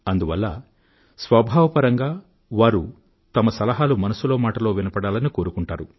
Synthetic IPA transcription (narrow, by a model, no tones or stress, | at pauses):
ɐnd̪uʋɐlːɐ̰ | sʋɐbʱaːʋɐpɐɾɐŋɡaː | ʋaːɾu | t̪ɐmɐsɐlɐɦaːlumɐnɐsulo̞ːmaːʈɐlo̞ːʋinɐpɐɽaːlɐniko̞ːɾukuɳʈaːɾu